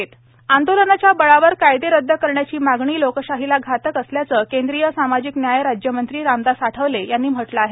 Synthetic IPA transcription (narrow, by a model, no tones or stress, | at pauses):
et̪ | and̪olənat͡ɕjabəɭaʋəɾkajd̪eɾəd̪ʱːəkəɾɳjat͡ɕiːmaɡɳiːlokəɕaɦilaɡʱat̪əkəsljat͡səːkẽnd̪ɾijəsamad͡ʑiknjajəɾad͡ʑjəmənt̪ɾiːɾamd̪asaʈʰəʋlejanːiːm̤əʈləaɦe